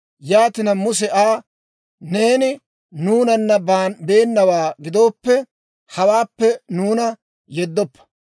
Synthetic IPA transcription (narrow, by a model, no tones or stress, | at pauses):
jaːt̪ɪnɐmʊs̬ɛʔaː | ne̞ːnɪ | nuːnɐnːɐbaːnbe̞ːnːɐwaːɡɪd̪o̞ːpːɛ | hɐwaːpːɛnuːnɐ | jɛd̪ːɔpːɐ̥